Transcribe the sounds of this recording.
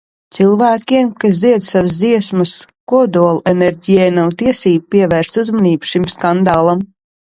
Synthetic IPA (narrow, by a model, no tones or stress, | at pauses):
t̪sɨlˠvæːkʲiɛmkas̬d̪ziɛd̪savɨsd̪ziɛsmɨs | kuɔd̪uɔlˠuenɛɾʲɟʲijɛjnawt̪iɛsiːbupiɛvæːɾʃt̪uzmɔniːbʃimskand̪aːlˠam